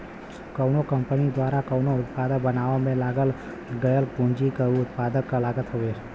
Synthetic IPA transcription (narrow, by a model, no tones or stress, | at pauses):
kəʊnokə̃mpənid̪waːɾakəʊnoʊt̪̚paːd̪ək̚bənaːʋomẽlaːɡəl | ɡəjəlkũːnd͡ʒikəuʊt̪̚paːd̪əkːalaːɡət̪ɦoʋeːɾ